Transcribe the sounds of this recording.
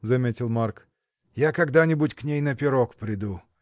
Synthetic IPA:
zɐmʲetʲɪlˠmark | jakɐɡd̪anʲɪbʊtʲknʲejnəpʲɪɾokpɾʲɪd̪u

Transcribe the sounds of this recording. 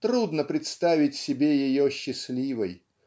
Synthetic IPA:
t̪ɾud̪nəpɾʲɪt̪st̪avʲɪtʲsʲɪbʲejɪjoɕːɪsʲlʲivəj

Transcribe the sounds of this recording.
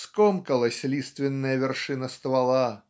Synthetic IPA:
skɔmkəlˠɐsʲlʲist̪vʲɪnːəjəvʲɪrʂɨnəst̪valˠa

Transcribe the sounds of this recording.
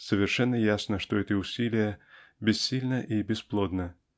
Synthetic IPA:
səvʲɪrʂɛnːəjasnəʂt̪ɔɛt̪ɨʊsʲilʲɪjəbʲɪsʲsʲilʲnəʔibʲɪsplˠɔd̪nə

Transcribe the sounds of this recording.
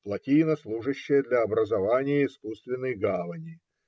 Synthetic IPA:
plˠɐtʲijnəslˠuʐɨɕːɪjəd̪lʲɐːbɾəzɐvanʲɪjəɪskust̪vʲɪnːɨjɡavənʲɪ

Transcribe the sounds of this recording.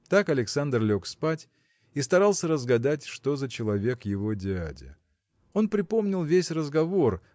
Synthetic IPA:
t̪akɐlʲɪksand̪rlʲo̞kspatʲ | ist̪ɐɾalˠsʲəɾəzɡɐd̪atʲʂt̪o̞zət͡ɕɪlˠɐvʲe̞kjɪvo̞dʲɪa̰dʲɪ̰ | o̞npɾʲɪpo̞mnʲɪlˠvʲesʲrəzɡɐvo̞r

